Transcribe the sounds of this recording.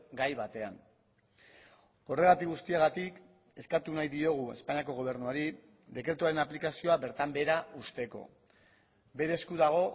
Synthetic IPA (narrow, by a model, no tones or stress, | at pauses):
ɡajβat̪e̞an | o̞re̞ɣat̪ikɣust̪iaɣat̪ik | e̞skat̪unajðio̞ɣ̞ue̞̰spaɲiako̞ɣo̞β̞e̞ɾnuaɾi | ðe̞kɾe̞t̪uaɾe̞naplikasio̞aβe̞ɾt̪ambe̞ɾaust̪e̞ko̞̰ | be̞ɾe̞ːskuðaɣ̞o̞